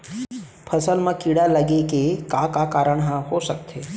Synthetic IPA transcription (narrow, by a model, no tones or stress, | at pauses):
pʰəsəlmãkiɽaləɡekekakakaɾəɳɦãɦoʃəkt̪ʰe